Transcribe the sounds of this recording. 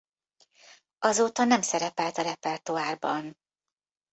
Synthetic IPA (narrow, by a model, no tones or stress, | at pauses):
ɒzoːt̪ɒnɛmsɛɾɛpɛlt̪ɒɾɛpɛrt̪uaːrbɒn